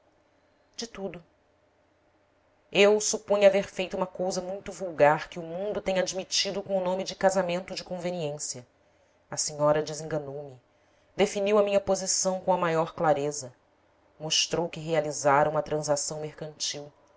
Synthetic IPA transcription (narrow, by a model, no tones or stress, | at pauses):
d͡ʒɪt̪ud̪ʊ | ewsupũɲaveɾfejt̪uũmɐkowzɐmũj̃t̪ʊvuwɡaɾkɪʊmũnd̪ʊt̪ẽɲad͡ʒmit͡ʃid̪ʊkõw̃ʊnõmɪd͡ʒɪkazamẽnt̪ʊd͡ʒɪkõveniẽsjɐ | ɐsiɲɔɾɐd͡ʒɪzẽŋɡɐnowmɪ | d̪efiniwɐmĩɲɐpozisɐ̃w̃kõw̃ɐmajɔɾklaɾezɐ | moʃt̪ɾowkɪɦealizaɾɐũmɐt̪ɾɐ̃zasɐ̃w̃meɾkɐ̃nt͡ʃiw